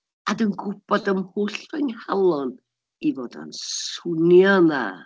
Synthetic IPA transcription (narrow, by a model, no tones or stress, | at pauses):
adənɡʊb̥ɔdəmhuːɬrɛnhalˠɔn | ivoːda̰nsunjɔnða̰